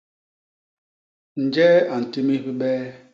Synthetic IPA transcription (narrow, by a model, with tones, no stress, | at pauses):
n̩˨d͡ʒɛː˦a˨n̩˨ti˦mi˦ɸi˦bɛː˦